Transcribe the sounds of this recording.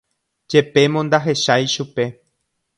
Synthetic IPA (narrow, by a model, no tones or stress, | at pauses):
d͡ʒe̞pe̞mõnd̪aɦe̞ʃajʃupe̞